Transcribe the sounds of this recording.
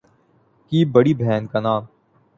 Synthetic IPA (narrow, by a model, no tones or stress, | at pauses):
kiːbɐɽiːbʱɛːnkanaːm